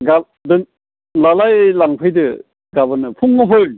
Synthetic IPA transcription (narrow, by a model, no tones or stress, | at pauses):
ɡa | dɯ | lalajlaŋpʰɯjdɯ | ɡabɯnɯpʰuŋːɯpʰɯ